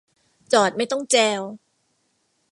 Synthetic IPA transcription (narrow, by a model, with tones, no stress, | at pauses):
t͡ɕɔː˨˩t̪̚ma˥˩jt̪ɔ˥˩ŋt͡ɕɛː˧w